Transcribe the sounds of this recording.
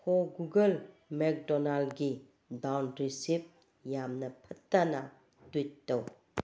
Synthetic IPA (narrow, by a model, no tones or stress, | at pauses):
hʰoɡuɡəl | mek̚dɔnaldɡi | dawnɾisip̚ | jamnɐpʰɐtːana | twitːɐw